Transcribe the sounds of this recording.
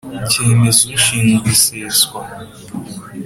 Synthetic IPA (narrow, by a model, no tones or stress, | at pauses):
cemezoʃiːnbiseswa